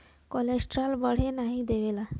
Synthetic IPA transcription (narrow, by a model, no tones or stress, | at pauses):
kɔlesʈɾalbəɽ̤enaɦid̪eʋela